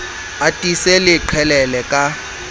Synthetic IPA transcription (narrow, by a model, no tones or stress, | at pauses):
atʼisɛlɪǃʰɛlɛlɛkʼa